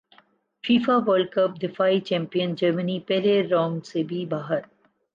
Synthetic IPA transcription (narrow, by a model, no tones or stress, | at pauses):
fiːfaʋəlkəp̚d̪ɪfaɪt͡ʃɛ̃mpiə̃nd͡ʒəɾmənipeɾeɾɔ̃ːmsebibaːɦəɾ